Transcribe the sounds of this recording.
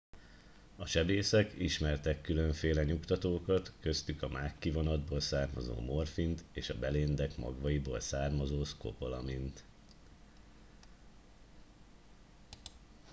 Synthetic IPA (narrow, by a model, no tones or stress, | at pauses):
ɒʃɛbeːsɛkiʃmɛrt̪ɛkːylø̞ɱfeːlɛɲukt̪ɒt̪oːkɒt̪kø̞st̪ykɒmʔaːkːivo̞nɒd̪boːlsaːrmɒ̰zo̰ːmo̞rfint̪eːʃɒbɛleːnd̪ɛkmɒ̰ɡʋɒjibo̰ːlsaːrmɒzoːsko̞̰po̞lɒmint̪